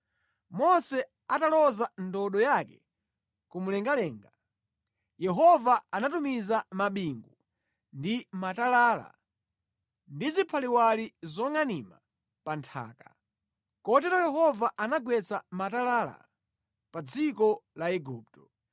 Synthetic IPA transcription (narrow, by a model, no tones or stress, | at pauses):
mɔsɛ | atalɔzandɔɗɔjakɛ | kumulɛŋɡalɛːŋɡa | jɛɦɔvaanatumizamaɓiŋɡu | ndimatalaːla̰ | ndizipʰaliwalizɔŋanima | pantʰa̰ːka | kɔtɛɾɔjɛɦɔvaʔanaɡwɛt͡samatalaːla̰ | pad͡zikɔlaɛɡuːp̚tɔ̥